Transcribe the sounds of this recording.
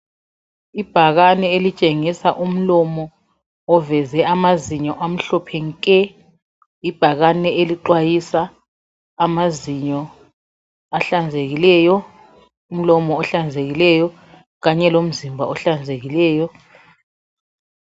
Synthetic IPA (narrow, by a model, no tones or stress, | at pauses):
ib̥ʱaɣanɛelit͡ʃʼeŋisaʔum̩lɔmɔ | ɔvɛzɛamaziɲɔʔam̩ɬɔpʰɛŋkʼɛ | ib̥ʱaɣanɛeliǃwajisaː | maziɲɔ | aɬand͡zʱeɣilɛːjɔ | um̩lɔmɔːɬand͡zʱeɣilɛjɔ | ɣaɲɛlom̩zimbʱa̰ɔɬand͡zʱeɣilɛːjɔ